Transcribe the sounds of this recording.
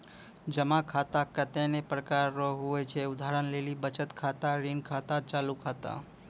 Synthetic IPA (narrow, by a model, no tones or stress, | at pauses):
d͡ʒəmakʰat̪akət̪enepɾəkaɾːɔɦuet͡ʃʰeʊd̪ʱaɾənlelibət͡ʃət̪kʰat̪aɾinkʰat̪at͡ʃalukʰaːt̪a̰